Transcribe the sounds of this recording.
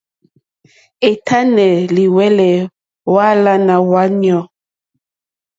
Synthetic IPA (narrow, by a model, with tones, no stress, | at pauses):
e˨tʰa˦nɛ˨li˨wɛ˦lɛ˨ | wa˦la˦na˨wa˦njɔ˨